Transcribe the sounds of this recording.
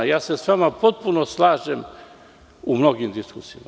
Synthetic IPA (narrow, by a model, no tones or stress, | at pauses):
jaːse̞sʋamapo̞t̪̚punoslˠaːʒem | umno̞ɡimd̪iskusijima